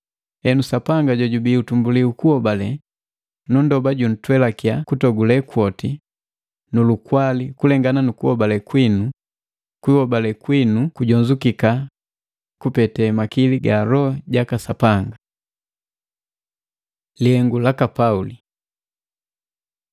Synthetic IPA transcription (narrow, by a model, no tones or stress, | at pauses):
ɛnusapaŋɡaɟɔɟubiutumbuliukuhɔbalɛ | nundɔbaɟun̩twɛlakiakutɔɡulɛkwɔti | nulukwalikulɛŋɡananukuhɔbalɛkwinu | kwihɔbalɛkwinukuɟɔɲzukika | kupɛtɛmakiliɡaɾɔɟakasapaŋɡa | lihɛŋɡulakapauli